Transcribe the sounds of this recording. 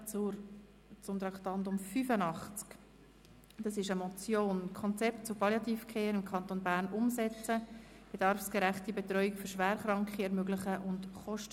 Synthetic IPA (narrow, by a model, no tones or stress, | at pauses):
t͡sʊɾ | t͡sʊmt̪ɾɑktɑndʊmfyfənɑχt͡sk | d̥ɑsɪʃəmɔt͡sjoːnkʰɔnt͡sɛp̚tt͡sʊpɑljɑt̪iːfkʰeːɾɪmkʰɑnt̪onbæːɾnʊmzɛt͡sə | b̥eɛd̥ɑɾfsɡ̥eɾæχtibetɾœʏikføɾʃʋæːɾχɾɑŋkχiɛɾmøɡlɪχəʔʊntχɔʃtə